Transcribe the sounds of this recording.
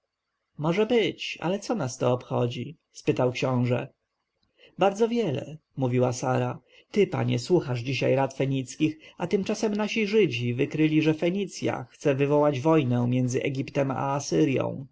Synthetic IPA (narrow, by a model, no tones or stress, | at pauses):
mɔʐɛbɘt͡ɕa̰lɛt̪sɔnast̪ɔːpxɔd͡ʑi | spɘt̪awkɕɔ̃w̃ʐɛ̰ | baɾd̪zɔvʲjɛlɛ̰muvʲiwasaɾa | t̪ɘpa̰ɲɛswuxaʐd͡ʑiɕa̰jɾat̪fɛɲit̪skʲixat̪ɘmt͡ʂasɛmnaɕiʐɘd͡ʑivɘkɾɘlʲiʐɛfɛɲit̪sʲja̰xt̪sɛvɘvɔwad͡ʑvɔjnɛ̃mʲjɛnd̪zɘʔɛ̰ɡʲipt̪ɛma̰ːsɘɾjɔ̰̃w̃